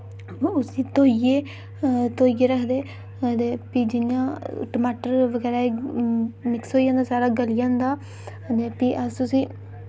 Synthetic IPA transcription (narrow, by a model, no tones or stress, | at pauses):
ʊsiːt̪oːie | t̪oːiːeːɾəkʰd̪eː | d̪eːpid͡ʒɪnjãːʈəmaːʈəɾʋəɡɛːɾaːe | mɪksɦoːijãːnd̪aːsaːɽaːɡəlɪjãːnd̪aː | neːpiʔəsʊsiː